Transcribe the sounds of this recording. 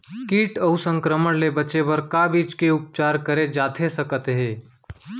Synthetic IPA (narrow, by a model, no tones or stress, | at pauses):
kiːʈəʊsə̃ŋkɾəməɽlebət͡ʃebəɾkabiːt͡ʃkeʊp̚t͡ʃaːɾkəɾed͡ʒaːt̪ʰesəkət̪ɦẽː